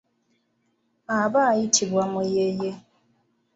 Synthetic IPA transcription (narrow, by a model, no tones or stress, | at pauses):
abaaitibamʊjeje